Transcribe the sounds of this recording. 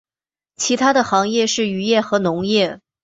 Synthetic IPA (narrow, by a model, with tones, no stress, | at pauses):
t͡ɕʰi˧˥t̪ʰa˥d̪ə˨xɑ˧˥ŋjɛ˥˧ʂɻ̩˥˩y˧˥jɛ˥˩xɤ˧˥nʊ˧˥ŋjɛ˥˩